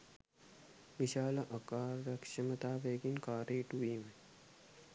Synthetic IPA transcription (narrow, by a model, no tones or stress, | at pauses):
ʋiʃaːlɐʔɐkaːɾːɐkʃɐmɐt̪aːʋeːɡinkaːɾeːʈuiːme